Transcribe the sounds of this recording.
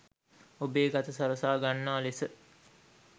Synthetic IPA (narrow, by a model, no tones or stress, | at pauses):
obeːɡat̪əsaɾəsaːɡanːaːlesə